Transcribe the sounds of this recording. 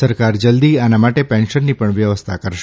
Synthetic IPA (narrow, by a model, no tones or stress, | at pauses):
səɾkaɾd͡ʒəld̪ianamaʈepɛ̃nʃənːipəɳʋjəʋəst̪ʰakəɾʃ